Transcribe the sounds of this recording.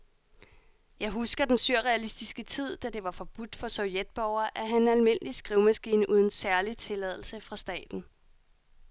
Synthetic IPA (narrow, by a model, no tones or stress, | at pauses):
jɑ̈ɪɦusɡ̥ɐd̥ensyɐ̰ʁɛælisd̥isɡ̥ət͡sʰið̞̰ˠd̥æd̥e̝ʋɑ̈fɒ̽b̥ud̥fɒ̽sɒʊjed̥̚b̥ɒʊ̰ɐʔæɦænælme̝n̰əlisɡ̥ʁiʊmæsɡ̥iːnəʔuð̞ˠn̩sæɐlit͡sʰe̝lɛð̞ˠl̩səfʁɑ̈sd̥ɛ̰ːd̥n̩